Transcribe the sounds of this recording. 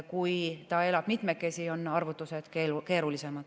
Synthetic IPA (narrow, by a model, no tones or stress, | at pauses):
kujt̪ɑe̞lɑb̥mit̪mekːˑe̞sio̞nːɑrvut̪ːˑuse̞d̪̥kelke̞ːɾulise̞mɑd̪̥